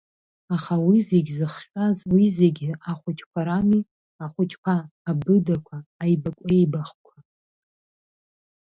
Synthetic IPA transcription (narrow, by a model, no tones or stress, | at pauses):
aχawizeɡʲzɨχχʲʼazwizeɡʲɪʔaχʷʊt͡ʃʰʼkʷʰaɾami | aχʷʊt͡ʃʰʼkʷʰaːbɨdakʷʰaːjbakʷʼeejbaχkʷʰa